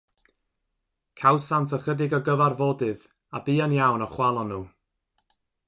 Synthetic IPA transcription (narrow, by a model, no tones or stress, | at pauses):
kʰawsantʰəχədɪɡɔɡəvarvoːdɨð | abiːanjawnɔχwalˠɔnuː